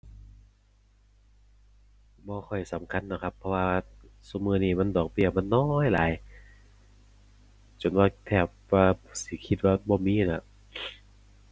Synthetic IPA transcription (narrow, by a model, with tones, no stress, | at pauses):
bɔː˧kʰɔ˧˨˩jsa˩˦mkʰa˧˥˨nːa˧˥˩kʰpʰːɔ˧waː˧su˧mɯː˧niː˧˩ma˧˥˨ndɔː˨˩k̚bi˧˩ɐma˧˥˨nːɔː˦˥jlaː˨˦j | t͡ɕo˨˦nwaː˧t̪ʰɛː˧˩p̚aː˧˩si˨˦kʰi˧˥t̪̚waː˧˩bɔː˧miː˧˥˨na˧˩